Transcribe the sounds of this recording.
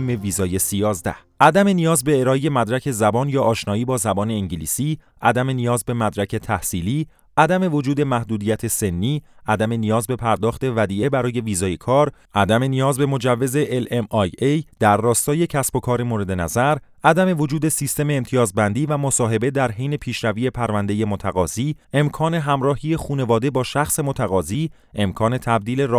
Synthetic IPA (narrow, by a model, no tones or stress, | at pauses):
mːeviːzɒːje̞sijɒːzd̪æ̰hʔæd̪æme̞nijɒːzbe̞eɾɒːeje̞mæd̪ɾæcʰe̞zæbɒːnjɒːʔɒːʃnɒːiːbɒːzæbɒːne̞iŋɟilḭːsiː | ʔæd̪æme̞nijɒːzbe̞mæd̪ɾæcʰe̞t̪ʰæhsiːliː | ʔæd̪æme̞vo̞d͡ʒuːd̪e̞mæhd̪uːd̪ijæt̪ʰe̞se̞nːiːʔæd̪æme̞nijɒːzbe̞pʰæɾd̪ɒːχt̪e̞væd̪iːe̞bæɾɒːje̞viːzɒːje̞kʰɒːɾʔæd̪æme̞nijɒːzbe̞mo̞d͡ʒævːe̞ze̞ʔelemɒjejd̪̥æɾːɒːst̪ɒːje̞cʰæsb̥o̞kʰɒːɾemoɾe̞d̪e̞næzæɾ | æd̪æme̞vo̞d͡ʒuːd̪e̞sist̪e̞me̞ːmt̪ʰijɒːzbænd̪iːvæmo̞sɒːɦe̞be̞d̪æɾɦejne̞pʰiːʃɾæviːje̞pʰæɾvænd̪e̞je̞mot̪ʰæɣɒːziː | e̞mkʰɒːne̞ɦæmɾɒːhiːje̞xuːne̞vɒːd̪e̞bɒːʃæxse̞mot̪ʰæɣɒːziː | e̞mkʰɒːne̞t̪ʰæb̚d̪iːle̞ɾ